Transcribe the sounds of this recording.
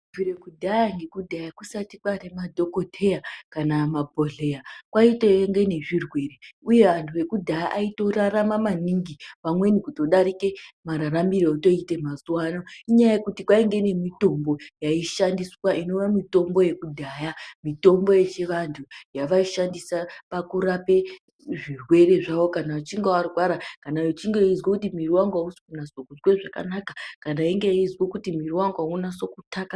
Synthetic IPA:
viɾekudʱajaŋɡe̞kudʱajakusatikwaremadʱo̞kotʰe̞jakanamabʱoɮe̞jakwaiteŋɡe̞ne̞ʐirwe̞reuje̞ʋantʰuʋe̞kudʱajaʔaito̞raɾamamaniŋɡiʋamwe̞nikuto̞ɗaɾike̞maɾaɾambiɾooto̞itemazuwaːnoiɲajajekutikwaiŋɡe̞ne̞mito̞mbo̞jaiʃandiswaʔino̞ʋamito̞mbo̞je̞kudʱaːjamito̞mbo̞jet͡ʃeʋantʰujaʋaiʃandisapakurape̞ | ʐirwe̞re̞ʐawokanaat͡ʃiŋɡewariwaɾakanajot͡ʃiŋɡeizwakutimiriwaŋɡwausi̥kunasokuzweʐaka̰nakakanaiŋɡejizwekutimiriwaŋɡwaunaso̞kutʰaka

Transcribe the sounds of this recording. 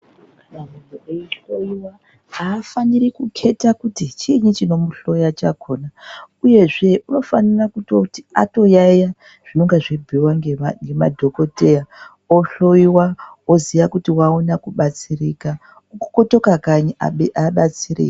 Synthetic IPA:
mamunoeiɬoiwa | aːfanirikukʰe̞takutit͡ʃiɲit͡ʃino̞muɬo̞jat͡ʃakʰoːna | uje̞ʐe̞ʔuno̞fanirakutotia̰to̞jaja | ʐ̥inoŋɡaʐebʱiwaŋŋɡema̰dʱo̞ko̞te̞ja | oɬo̞iwa | oziʋakutiwaonakuɓat͡sirika | koto̞kakaɲiaɓat͡siɾḭka

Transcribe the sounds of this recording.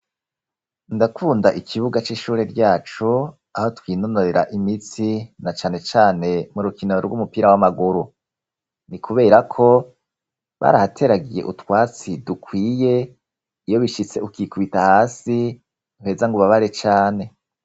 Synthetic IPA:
ndakuːndaʔikʰiβuɡat͡ʃiːʃuːɾe̞ɾɟaːt͡ʃu | aho̞twiːnonoɾeɾaʔimit͡sinat͡ʃaːne̞t͡ʃaːne̞muɾukinoɾɡumupiːɾawamaɡuɾu | nikʰuβe̞ːɾakʰo̞ | βa̰ːɾahatʰe̞ɾaɡije̞̰ʔutwaːt͡sidukʰwiːje̞ː | jo̞βiʃit͡se̞ukikuβitahaːsi | uhe̞ːzaŋɡuβaβaɾet͡ʃaːne̞

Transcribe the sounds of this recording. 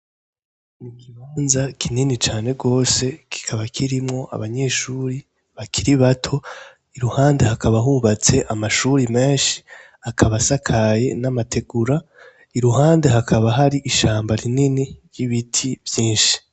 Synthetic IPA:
nikiβaːnzakʰininit͡ʃaːne̞ɡo̞ːse̞kʰi̥kʰaβakʰiɾimŋo̞ʔa̰βaɲe̞ːʃuɾi | βakʰiɾiβatʰo̞ | iɾuhaːnde̞hakaβaɦuβat͡se̞ʔamaʃuɾime̞ːnʃi̥ | akʰaβasakʰaje̞namatʰe̞ɡ̥uɾa | iɾuɦaːnde̞ɦakʰaβaɦaɾiʔiʃaːmbaɾininiɾjiβitʰivjiːnʃi̥

